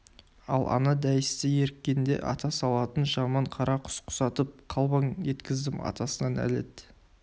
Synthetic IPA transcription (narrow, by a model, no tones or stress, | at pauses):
ɑlˠʔɑ̰nɑd̪æjɪst̪ɪje̞ɾɪkʲːe̞nd̪e̞̰ʔɑ̰t̪ɑsɑlˠɑt̪ənʒɑmɑɴqʰɑɾɑqʰʊ̥sqʰʊ̥sɑt̪əp̚qʰɑlˠbɑɴʒe̞t̪kʲɪzd̪ɪmɑ̰t̪ɑsənɑnæ̰le̞̰d̪